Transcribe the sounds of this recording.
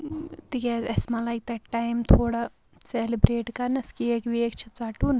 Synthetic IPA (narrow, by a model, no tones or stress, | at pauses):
t̪ikezesmɐlaɡ̚t̪ɐʈːajmt̪ʰoːɽa | selibɾeːʈkɐnɐskieːkʋiekt͡ʃʰɐ̥t͡saːʈun